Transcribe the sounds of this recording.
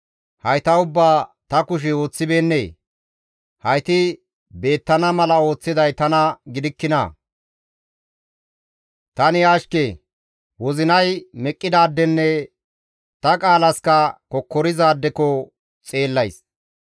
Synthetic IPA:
hɐjt̪ɐʊbːaːt̪ɐkʊʃ̬ɛoːt͡sːɪbe̞ːnːeː | hɐjt̪ɪ | be̞ːt̪ːɐnɐmɐlɐo̞ːt͡sːɪd̪ɐjt̪ɐnɐɡɪd̪ɪkːɪnɐ̰ | t̪ɐnɪaːʃke | wɔzɪnɐjmɛkʼːɪd̪aːd̪ːɛnːɛ | t̪ɐkʼaːlɐskɐkɔkːɔɾɪzaːd̪ːɛkɔ | t͡sʼe̞ːlːɐjs

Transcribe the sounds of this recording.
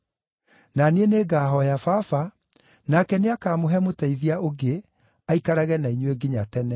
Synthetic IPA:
naneeneɡaːɦɔjafafa | nakɛneakaːmoɦɛmotaiðiaʔoɡe | aikaɾaɣɛnaiɲweɡiɲatɛnɛ

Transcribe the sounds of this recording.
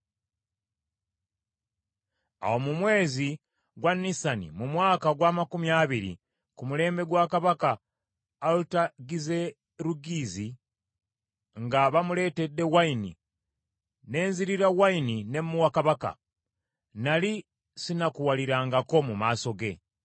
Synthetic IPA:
a̰wo̞mumwe̞ːzi | ɡwanːisanḭmumwaːkaɡwaːmakumjaβiɾḭ | kumule̞ːmbe̞ɡwakaβakaː | lutaɡize̞ | ɾuɡizi | ŋɡaβamule̞ːte̞dːe̞wainḭ | ne̞ːnziɾiɾawainine̞muwakaβaka̰ | nali | sinakuwaliɾaːŋɡakomumaːso̞ɡe̞̰

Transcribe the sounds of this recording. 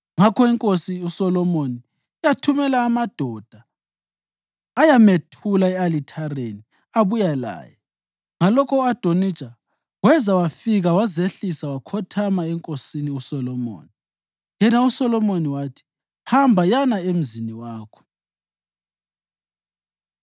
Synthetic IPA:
ŋakʰɔiŋkʼosiusɔlɔmoniː | jatʰumɛlaːmad̥ʱɔd̥ʱa | jametʰulaɛalitʰareni | aβujala̰ːjɛ | ŋalɔkʰɔad̥ʱonit͡ʃʼa | wɛzawafiɣawazeɬisawakʰɔtʰamaɛŋkʼosiniusɔlɔmo̰ːni | jɛnausɔlɔmoniwatʰi̥ | hambʱajanaem̩ziniwaːkʰɔ̥

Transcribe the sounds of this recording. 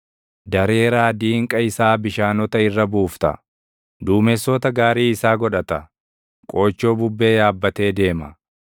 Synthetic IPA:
d̪ɐɾe̞ːɾaːd̪iːŋkʼɐɪsaːbɪʃaːnɔt̪ɐɪrːɐbuːft̪ɐ̰ | d̪uːmɛsɔt̪ɐɡaːɾiːɪsaːɡɔᶑɐt̪ɐ | kʼo̞ːt͡ʃːo̞ːbʊbːe̞ːjaːbːɐt̪e̞ːd̪e̞ːmɐ

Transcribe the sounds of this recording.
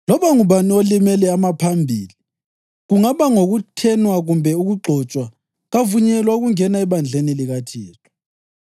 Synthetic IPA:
lɔβaŋuβaniolimɛlɛamapʰambʱiːli | ɣuŋaβaŋoɣutʰɛnwaɣumbʱɛuɣuɡ͡ǃʱɔt͡ʃʼwa | ɣavuɲɛlwauɣuŋɛnaɛβand͡ɮʱeniliɣatʰiːtʰu̥

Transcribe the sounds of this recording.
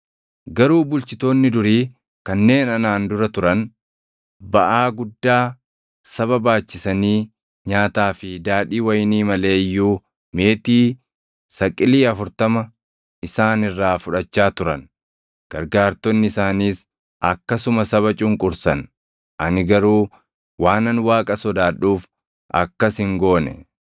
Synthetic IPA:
ɡɐɾuːbʊlt͡ʃɪt̪o̞ːnːɪd̪ʊɾiː | kɐnːe̞ːnɐnaːnd̪ʊɾɐt̪ʊɾɐn | bɐʔaːɡʊd̪ːaː | sɐβɐbaːt͡ʃːɪsɐniː | ɲaːt̪aːfɪd̪aːᶑiːwɐjniːmɐle̞ːjːuː | me̞ːt̪iː | sɐkʼːɪliːɐfʊɾt̪ɐmɐ | ɪsaːnɪrːaːfʊᶑɐt͡ʃːaːt̪ʊɾɐn | ɡ̥ɐɾɡaːɾt̪ɔnːɪɪsaːniːs | ʔɐkːɐsʊmɐsɐβɐt͡ʃʼʊŋkʼʊɾsɐn | ʔɐnɪɡɐɾuː | waːnɐnwaːkʼɐsɔd̪aːᶑuːf | ʔɐ̰kːɐshɪŋɡoːnɛ̰

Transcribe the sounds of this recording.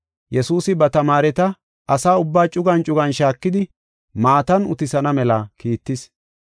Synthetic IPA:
jɛsuːsɪbɐt̪ɐmaːɾɛt̪ɐ | ʔɐsaːʊbːaːt͡ʃʼʊɡɐnt͡ʃʼʊɡɐnʃaːkːɪd̪ɪ | maːt̪ɐnʊ̰t̪ɪsɐnɐmɛlɐkiːt̪ːɪs

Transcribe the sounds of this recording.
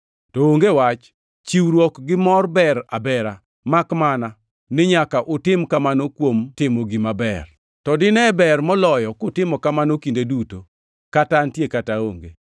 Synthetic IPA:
tɔoŋɡewat͡ʃ | t͡ʃiwɾwɔkɡɪmɔrbɛɾa̰bɛɾa | makmana | nɪɲakaʔʊtɪmkamanokwomtɪmoɡimabɛ̰r | tɔdɪnɛbɛrmɔlɔjɔkʊtɪmɔkamanokindeduto | kataantjekatao̰ŋɡe

